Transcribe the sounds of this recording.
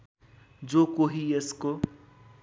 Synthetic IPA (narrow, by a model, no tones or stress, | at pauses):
d͡ʒokoɦiesko